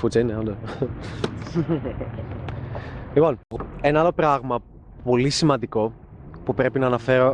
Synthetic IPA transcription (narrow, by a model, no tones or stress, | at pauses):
fut͡sɐineond̪o | lipo̞ne̞nɐɐlo̞pɾɐɣmɐ | po̞lisimɐnd̪iko̞ | pupɾe̞pinɐːnɐfe̞ɾo̞